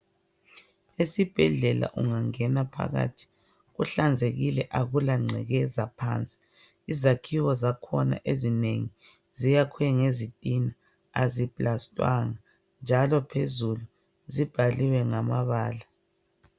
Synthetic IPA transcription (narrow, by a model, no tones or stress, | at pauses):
esib̥ʱɛɮɛla̰ʔuŋaŋɛnapʰa̰ɣa̰ːtʰi̥ | ɣuɬand͡zʱeɣilɛʔaɣulaŋ͡ǀʱɛ̰ɣɛzapʰa̰ːnt͡sʼi̥ | izakʰiwɔzakʰɔna̰ʔezineŋi | zijakʰwɛŋezitʼina | azib̥ʼlastʼwaŋa | nd͡ʒʱalɔpʰezulu | zib̥ʱaliwɛŋamaβaːla